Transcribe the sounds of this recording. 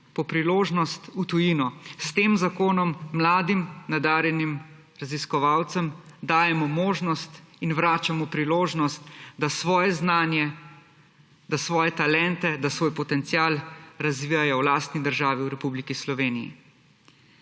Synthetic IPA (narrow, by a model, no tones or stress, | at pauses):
pɔpɾiloːʒnɔst̪ut̪ujinɔst̪eːmzakoːnɔmːlaːd̪imnad̪aːɾjɛnim | ɾaziskɔʋaːwt̪sɛm | d̪aːjɛmɔmoːʒnɔst̪inwɾaːt͡ʃamɔpɾiloːʒnɔst̪̚d̪asʋɔːjɛznaːnjɛ | d̪asʋɔːjɛt̪alɛnt̪ɛd̪asʋoːjpɔt̪ɛnt̪sijaːlɾazʋiːjajɔwlaːst̪nid̪əɾʒaːʋiwɾɛpublikislɔʋeːnḭjḭ